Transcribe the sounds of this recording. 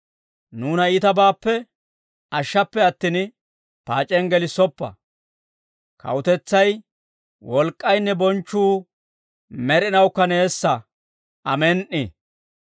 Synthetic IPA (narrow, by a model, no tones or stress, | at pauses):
nuːnɐit̪ɐbaːpːɛ | ɐʃːɐpːɛɐt̪ːin | paːt͡ʃʼɛnɡɛlɪsɔpːɐ̰ | kɐ̰wʊt̪ɛt͡sːɐj | wɔlkʼːɐjnːɛbɔnt͡ʃːuː | mɛɾɪnɐwkːɐneːsːɐ | ɐmɛnʔɪ